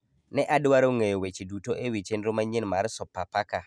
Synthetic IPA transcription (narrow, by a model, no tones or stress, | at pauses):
nɛʔadwaɾoŋejowet͡ʃidutoʔewit͡ʃenɾomaɲɪnmaɾsɔpapaka